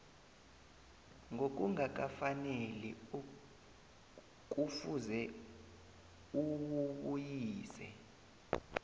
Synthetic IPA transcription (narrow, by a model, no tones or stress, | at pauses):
ŋok̬ʼuŋak̬afaneli | k̬ʼufuzɛ | uwuɓujiːsɛ̰